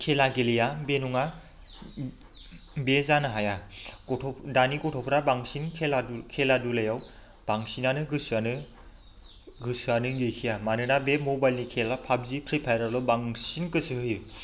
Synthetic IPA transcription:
kʰelaɡelijabenuŋa | bezanaɦajaɔdanikɔtʰɔpʰɾabaŋsinkʰelakʰeladulajaw | b̥aŋsinanɯɡɯsanɯ | ɡɯsɯanɯɡɯjkʰijamanɯnabemobajlnikʰelapʰab̚zipʰɾipʰajɾalɔbaŋsinkɯsɯɯjɯ

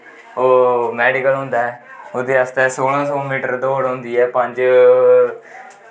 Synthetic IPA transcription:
oːmɛːɖɪkəlɦʊ̃nd̪aːɛːod̪eːəst̪ɛːsoːlãːsoːmiːʈəɾd̪ooːɽɦʊ̃nd̪iːɛːpə̃ɲd͡ʒ

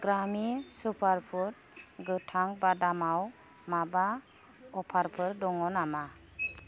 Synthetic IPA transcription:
ɡɾamisupʰaɾpʰuɾ̚ | ɡɯtʰaŋbadamaw | maba | ɔpʰaɾpʰɯɾdɔŋɔnama

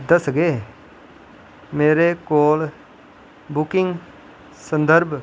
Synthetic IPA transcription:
d̪əsɡeː | meːɾeːkoːl | bʊkɪŋɡ | sənd̪əɾb

